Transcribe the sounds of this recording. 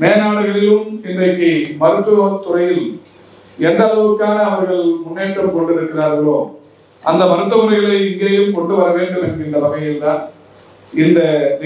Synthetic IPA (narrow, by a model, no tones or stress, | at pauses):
neːnaːɽɯɣɐɭɪlɯmɪndrɐɪkːɯmɐɾɯt̪ːɯʋɐt̪ʊrɐjɪl | ɛnd̪ɐːlɐʋɯkːaːnɐːʋɐɾɣɐɭmʊnːeːʈːrɐkɔɳɖɯɾɯkːɯðaːɾɣɪɭoːm | ʔɐnd̪ɐmɐɾɯt̪̬ːɐmɐɾɐɪɣɐɭɐɪɪŋɡeːjɯmkɔɳɖɯʋɐɾɐʋeːɳɖɯmɛnːɡɪndrɐlɐmɐjɪlt̪aːn | ɪnd̪ɐn